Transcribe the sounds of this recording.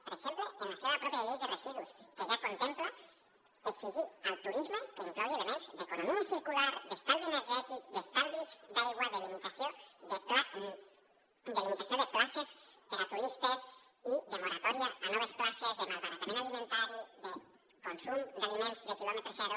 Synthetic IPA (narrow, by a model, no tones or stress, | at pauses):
poɾexemploonafoβapɾɔpjalejðeresiðuskeʒakont̪empla | eksiʒialt̪uɾizmakeŋklaβeaðemãnzd̪ekonomiasiɾkulaɾðespalðieneɾʒɛt̪ik̚d̪esp̪alβid̪alɣwaðelinifasjod̪eka | d̪alimẽnt̪asjond̪eklasespeðat̪uɾist̪asiðemoɾat̪ɔɾjaanɔβ̞esklasezðemaŋkaɾat̪aɾẽnalimẽnt̪aɾoðe | konsumd̪alimẽnzðekilɔmet̪ɾosaɾo